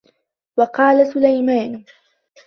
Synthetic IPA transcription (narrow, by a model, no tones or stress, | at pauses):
wɑqɑːlasʊlajmaːn